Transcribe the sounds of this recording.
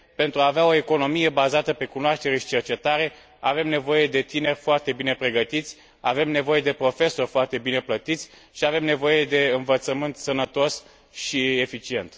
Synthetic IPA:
pe̞nt̪ɾuaːveaoe̞ko̞no̞mije̞bazat̪əpe̞kunoaʃt̪e̞ɾe̞ʃi̥t͡ʃe̞rt͡ʃe̞t̪aɾe̞ | ave̞mne̞vo̞je̞d̪e̞t̪ine̞rʲfoart̪e̞bine̞pɾe̞ɡət̪it̪sʲ | ave̞mne̞vo̞je̞d̪e̞pɾo̞fe̞so̞rʲfoart̪e̞bine̞plət̪it̪sʲ | ʃiave̞mne̞vo̞je̞d̪e̞ɨnvət̪səmɨnt̪sənət̪o̞s | ʃiefit͡ʃie̞nt̪

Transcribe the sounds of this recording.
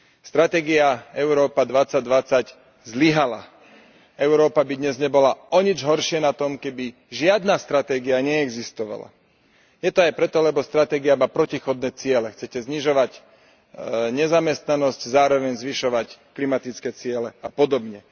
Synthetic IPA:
st̪ɾat̪ɛːɡiaɛʊɾɔːpad̪ʋat͡sːaɟd̪ʋat͡sac | zliɦala̰ | ɛʊɾɔːpabid̪ɲɛzɲɛbɔlaɔɲid͡ʒɦɔɾʃɪɛnat̪ɔmkɛbi | ʒɪad̪nast̪ɾat̪ɛːɡiaɲɛːɡzist̪ɔʋa̰la̰ | jɛt̪ɔajpɾɛt̪ɔlɛbɔst̪ɾat̪ɛːɡiamaːpɾɔcixɔd̪̚nɛːt͡sɪɛlɛxt͡sɛcɛzɲiʒɔʋac | ɲɛzamɛst̪nanɔsczaːɾɔʋɛɲzʋiʃɔʋacklimat̪it͡skɛːt͡sɪɛlɛapɔd̪ɔbɲɛ

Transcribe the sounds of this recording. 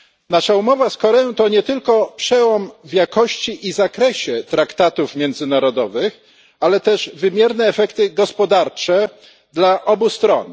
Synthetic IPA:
naʂaumɔvaskɔɾɛjɔ̃w̃t̪ɔɲɛt̪ɘlkɔpʂɛwɔmvjakɔɕt͡ɕiʔizakɾɛɕɛt̪ɾakt̪at̪ufmʲjɛnd̪zɘnaɾɔd̪ɔvɘx | alɛt̪ɛʐvɘmʲjɛɾnɛːfɛkt̪ɘɡɔspɔd̪aɾt͡ʂɛ | d̪laʔɔbust̪ɾɔ̰n

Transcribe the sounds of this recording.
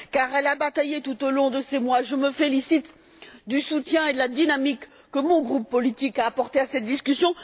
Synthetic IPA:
kaʁɛlabat̪ajet̪ut̪olɔ̃d̪əsemwaʒəməfelisit̪ | d̪ysut̪jɛ̃ed̪əlad̪inamikː | əmɔ̃ɡʁupːɔlit̪ikaːpɔʁt̪easɛt̪̚d̪iskʲysjɔ̃

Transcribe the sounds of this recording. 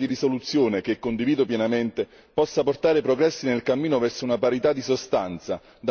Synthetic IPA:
d̪iɾisolut̪sːjoːnek̟ekːond̪iviːd̪opjɛnament̪e | pɔsːaport̪aːɾepɾoɡɾɛsːinelkamːiːnovɛrsounapaɾit̪ad̪ːisost̪ant̪sa | d̪a

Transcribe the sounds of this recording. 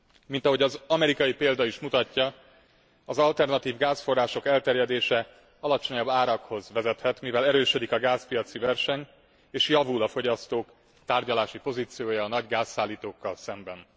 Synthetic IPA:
mint̪ɒɦo̞ɟɒzɒmɛɾikɒjipeːld̪ɒiʃmut̪ɒcːɒ | ɒzɒlt̪ɛrnɒt̪iːvɡaːsfo̞rːaːʃo̞kɛlt̪ɛrjɛd̪eːʃɛ | ɒlɒt͡ʃo̞ɲɒbːaːɾɒkho̞zʋɛzɛt̪hɛt̪mivɛlɛɾøːʃød̪ikɒɡaːspijɒt̪sivɛrʃɛɲ | eːʃjɒvulɒfo̞ɟɒst̪oːk | t̪aːrɟɒlaːʃipo̞ziːt̪sijoːjɒːnɒɟɡaːsːaːlːiːt̪oːkːɒlsɛmbɛn

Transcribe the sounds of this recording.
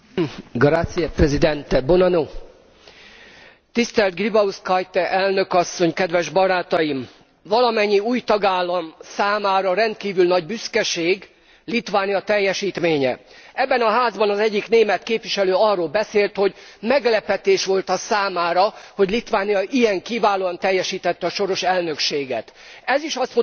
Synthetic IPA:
ɡɒɾaːt̪sijɒprɛzid̪ɛnt̪ɛbonɒno | t̪ist̪ɛlt̪̚ɡribɒuskɒjt̪ɛʔɛlnø̞kɒsːo̞ɲkɛd̪ʋɛʒbɒɾaːt̪ɒjim | vɒlɒmɛɲːiuːjt̪ɒɡaːlːɒmsaːmaːɾɒɾɛnt̪̚kiːvylnɒɟbyskɛʃeːɡ | lit̪ʋaːnijɒt̪ɛjːɛʃiːt̪meːɲɛ̰ɛbːɛnɒɦaːzbɒnɒzɛɟːikneːmɛt̪keːpʋiʃɛløːɒrːoːlbɛseːlt̪ho̞ɟmɛɡlɛpɛt̪eːʃʋo̞lt̪ɒsaːmaːɾɒho̞ɟlit̪ʋaːnijɒʔijɛŋkivaːloːɒnt̪ɛjːɛʃiːt̪ɛt̪ːɛɒːʃo̞ɾo̞ʃɛlnø̞kʃeːɡɛ̰t̪ɛziʃɒst̪mu

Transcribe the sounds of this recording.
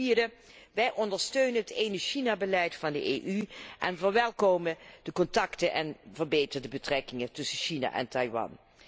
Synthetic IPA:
iːdə | ʋɛjʔɔndəɹstøɥnənɦətejnəʃinaːbəlɛjtfɑndə̰ʔeːʔyʔɛnvəɹʋɛlˠkowməd̥əkɔntɑktənʔɛ̰nvəɹbejtərdəbətrɛkɪŋətɵsəʃina̰ʔɛ̰ntɑjʋɑ̰n

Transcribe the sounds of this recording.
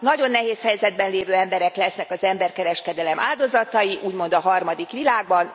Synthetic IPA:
ɒɟo̞nːɛɦeːshɛjzɛd̪̚bɛnleːvøːɛmbɛɾɛklɛsnɛkɒzɛmbɛrkɛɾɛʃkɛd̪ɛlɛmʔa̰ːld̪o̞zɒt̪ɒjiʔuːɟmo̞nd̪ɒɦɒrmɒd̪ikʋilaːɡ̚bɒn

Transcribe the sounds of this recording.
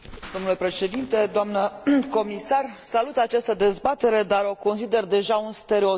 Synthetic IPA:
d̪o̞mnule̞pɾe̞ʃe̞d̪int̪e̞d̪oamnəko̞misarsalut̪at͡ʃast̪əd̪e̞zbat̪e̞ɾe̞d̪aɾo̞ko̞nsid̪e̞rd̪e̞ʒaunst̪e̞ɾeo

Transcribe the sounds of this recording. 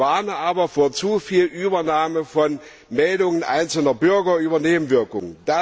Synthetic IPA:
aɐnəʔaːbɐfoːɐt͡sufiːlʔyːbɐnaːməfɔn | mɛldʊŋənʔa̰ɪnt͡sl̩nɐbʏɐɡɐʔyːbɐneːbm̩vɪɐkʊŋənd̥a

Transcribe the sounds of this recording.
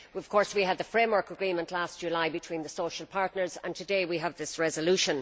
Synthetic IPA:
wʌv̥kʰɔɹswiəd̪̚ðəfɹẽɪ̃mwə˞kəɡɹĩmə̃nʔlast̚ʒ̥ʉlaɪbɨtʰw̥ĩnðəsoʃəlˠpʰaɹtⁿnə˞zə̰̃ntʰɨdeɪwiəvðɪsɹɛzəlʉʃə̃n

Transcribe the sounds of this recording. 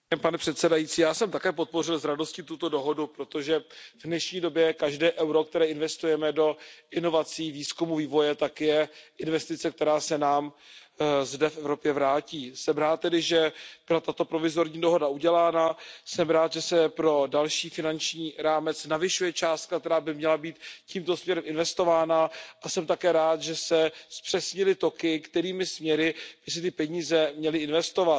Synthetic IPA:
panɛpr̥ɛt̪sɛdajit͡siːjaːsɛmt̪akɛːp̬o̞t̪̚por̝ɪlzɾado̞scɪt̪ut̪o̞do̞ɦo̞dupɾo̞t̪o̞ʒɛvnɛʃɲiːdo̞bjɛkaʒdɛːʔɛwɾo̞k̚t̪ɛɾɛːɪnvɛst̪ujɛmɛdo̞ʔɪno̞vat͡siːviːskumuviːvo̞jɛt̪akjɛʔɪnvɛst̪ɪt͡sɛk̚t̪ɛɾaːsɛnaːm | zdɛfɛvɾo̞pjɛvɾaːciːsɛmɾaːt̪̚t̪ːɛdɪʒɛb̥ɪɾat̪at̪o̞pɾo̞vɪzo̞ɾɲiːdo̞ɦo̞dauɟɛlaːnasɛmɾaːt̪ʒɛsɛpɾo̞dalʃiːfɪnant͡ʃɲiːɾaːmɛt͡snavɪʃujɛt͡ʃaːst̪̚kak̚t̪ɛɾaːbɪmɲɛlabiːt̪ciːmt̪o̞smɲɛɾɛmɪnvɛst̪o̞vaːnaʔasɛmt̪akɛːɾaːt̪ʒɛsɛspr̥ɛsɲɪlɪt̪o̞kɪkt̪ɛɾiːmɪsmɲɛɾɪb̥ɪsɪt̪ɪpɛɲiːzɛmɲɛlɪɪnvɛst̪o̞vat̪

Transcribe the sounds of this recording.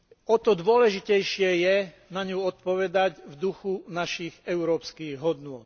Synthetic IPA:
ɔt̪ɔd̪ʋʊɔlɛʒicɛjʃɪɛjɛ | naɲuɔt̪̚pɔʋɛd̪aɟvd̪uxunaʃiːɣɛʊɾɔːpskiːɣɦɔd̪nʊɔːt̪̚

